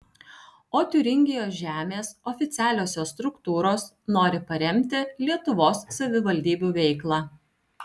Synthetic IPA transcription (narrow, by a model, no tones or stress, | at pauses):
oːt̪ʲʊɾʲɪŋʲɡʲɪjoːsʒʲæːmʲeːsɔfʲɪt̪sʲæːlʲoːsʲoːst̪ɾʊkt̪uːɾoːs | noːɾʲɪpɐɾʲɛmʲt̪ʲɪlʲiɛt̪ʊʋoːsːɐʋʲɪʋɐlʲd̪ʲiːbʲuːʋʲɛɪklˠɑː